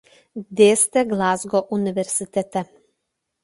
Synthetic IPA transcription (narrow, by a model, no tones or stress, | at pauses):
d̪est̪ɛɡlˠazɡoʔuniʋeɾsit̪et̪ɛ